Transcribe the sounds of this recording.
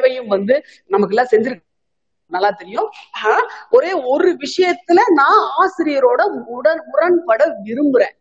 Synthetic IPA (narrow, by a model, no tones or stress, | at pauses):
ʋɐjɯ̃mʋɐnd̪ɯ | nɐmɐkːɛlːãːsɛɲd͡ʒɪɾɯkː | nɐlːaːt̪ɛɾɪjʊ̃ː | ɔɾeːɔɾɯʋɪʂɐjɐt̪ːɪlɐnãːaːsɪɾɪjɐɾoːɽɐmʊɽɐɾmʊɾɐnpɐɽɐʋɪɾɯmbɯɾẽː